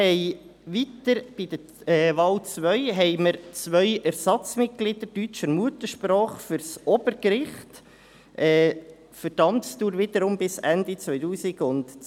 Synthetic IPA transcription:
hɛɪʋitəɾb̥ɪd̥̪ə | ɛːʋɑːlt͡sʋœʏɦɛɪməɾt͡sʋœʏʔæɾsɑt͡smɪt̚ɡ̥lid̪ədyt͡ʃəɾmuət̪əʃpɾɔːχfʏɾsɔbəɾkɾɪχt | ʔɛː | fəɾdɑmtst̪uːɾʋɪd̪əɾʊmbɪsændit͡sʋœʏtuːsɪɡʊnt

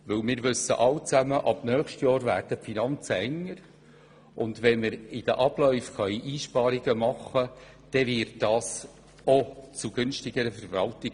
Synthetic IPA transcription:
ʋɵwmɪːɾʋʏsːə̰ʔɑlt͡sæməʔɑb̥nœːχʃtjɑːɾvæːɾd̥əfinɑnt͡səɛŋːəɾ | ʔʊndʋɛnmɪɾɪd̥əʔɑb̥lœʏfχœʏʔiːʃpɑːɾiɡəmɑχːə | d̥ɛvɪɾt̚d̥ɑːs | ot͡suɡ̥ʏnʃtɪɡəɾəfəɾvɑltɪɡ

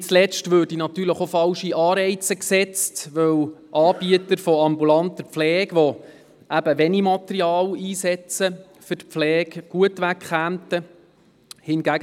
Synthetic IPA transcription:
t͡slɛstʋøːrd̥inɑt̪yːləχofɑlʃiʔɑːɾɛɪt͡səksɛt͡stʋœwʔɑːb̥iət̪əɾfɔɑmbulɑntəp̪flɛːɡʋɔ | æbəʋɛnimɑt̪əɾiɑːliːsɛt͡sə | fʏtp̪flɛːɡɡ̥uətʋækχæːmtə | hɪnɡæɡ

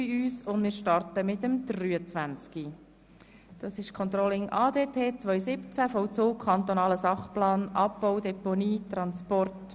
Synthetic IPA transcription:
iyːsʊndmɪːɾʃtɑrtəmɪtəmd̪̥ryːət͡sʋænt͡ski | d̥ɑːsɪʃkʰɔnt̪rɔlɪŋʔɑːdeːtʰeːt͡sʋœʏjsɪpt͡sæfɔwt͡soːkʰχɑnt̪ɔnɑːləsɑχplɑːnʔɑpːɔwdɛponiːtɾɑnspɔrt

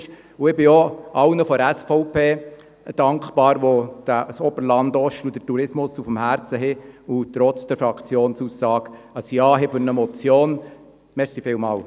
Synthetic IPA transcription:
ʃ | ʊɪbɪɔɑwnəfɔæsfɔʊpeː | d̥ɑŋkχpɑːɾʋod̥æsɔbəɾlɑnd̪ɔʃud̥̪ətuɾɪsmʊsufəm̩hæɾt͡səɦɪʊt̪ɾɔt͡sd̥ɛɾfɾɑkʰt͡sjoːnsusːɑːɡɑsjɑːɦɛfʏɾnəmɔt͡sjoːn | mɛɾsifɪːlmɑːl

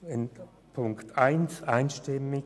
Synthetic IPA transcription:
n | pʰʊŋktaɪnsaɪnʃtɪmɪ

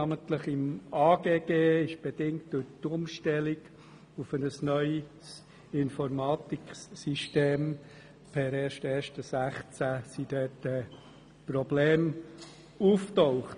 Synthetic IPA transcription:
ɑːmənt̪ləχɪmɑːɡ̥eːɡ̥eːɪʃb̥ed̥ɪŋt̚d̥ʊtʊmʃtɛliɡ | ufənəsnœʏ | s | ɪnfɔɾmɑːt̪iksiʃteːm | pʰɛɾɛːɾʃtɛːɾʃtəsæχt͡sæsid̥ɛtə | pɾɔbleːm | uftɔʊχt

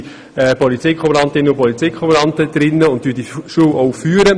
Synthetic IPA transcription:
ɛpɔlit͡sekʰɔbəɾɑntɪnːəʊpɔlit͡seɪkχɔbəɾɑntəd̪̥ɾɪnːəʊnt̚tyːdiʃuːwʔɔwfyːəɾə

